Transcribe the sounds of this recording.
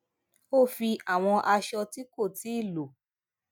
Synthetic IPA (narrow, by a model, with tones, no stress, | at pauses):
o˦˨fi˧a˦˨w̃ɔ̃˧ʔa˧ʃɔ˧ti˦ko˦˨ti˨˦i˦˨lo˨